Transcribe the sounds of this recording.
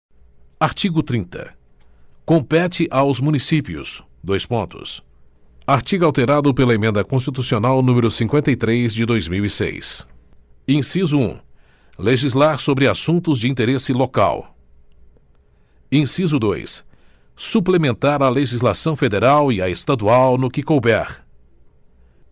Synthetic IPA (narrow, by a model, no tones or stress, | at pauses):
aɾt͡ʃiɡʊt̪ɾĩnt̪ɐ̰ | kõmpɛt͡ʃɪʔawzmũnisipiʊ̰s | d̪ojspõnt̪ʊ̰s | aɾt͡ʃiɡawt̪eɾad̪ʊpelɐemẽnd̪ɐkõs̬t͡ʃit̪usionawnũmeɾʊsĩŋkwẽnt̪ɐjt̪ɾejzd͡ʒɪd̪ojzmiwisḛjs | ĩsizʊṵ̃ | leʒizlaɾsobɾɪasũnt̪ʊzd͡ʒɪĩt̪eɾesɪloka̰w | ĩsizʊd̪ojs | suplemẽnt̪aɾɐleʒizlasɐ̃w̃fed̪eɾawiɐest̪ad̪uawnʊkɪkowbɛɾ